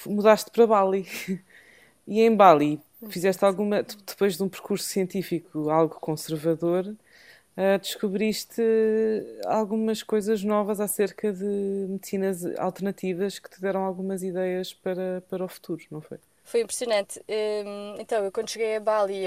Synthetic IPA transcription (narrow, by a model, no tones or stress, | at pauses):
muðaʃt̪̚pɾɐβalˠi | iẽj̃balˠi | fizɛʃt̪alˠɣumɐd̪̥ɨpojʒðũpɨɾkuɾsu̥siẽnt̪ifikualˠɣukõsɨɾvɐðoɾ | ad̪ɨʃkuβɾiʃt̪ɨ | a̰lˠɣumɐʃkojzɐʒnɔvɐzaseɾkɐðɨmɨðsinɐza̰lˠt̪ɨɾnɐt̪ivɐʃkɨ̥t̪ɨðɛɾɐ̃w̃alˠɣumɐziðɛjɐʃpɐɾɐpɐɾɔfu̥t̪ʰuɾunɐ̃w̃fo̰j | fojĩmpɾsijunɐ̃nt̪ɛẽnt̪ɐ̃w̃ewkwɐ̃nd̪uʃɨɣejɐβalˠi